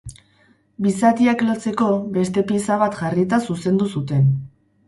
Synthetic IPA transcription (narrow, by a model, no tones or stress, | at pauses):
bisat̪iaklo̞t͡se̞ko̞be̞st̪e̞pisaβat̪ʝarit̪asuse̞nd̪usut̪e̞n